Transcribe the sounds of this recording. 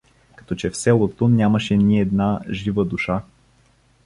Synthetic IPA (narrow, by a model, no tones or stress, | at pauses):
kɐ̥t̪ɔt͡ʃɛfsɛlˠot̪onʲjamɐʃɛnʲiɛd̪naʒivəd̪uʃa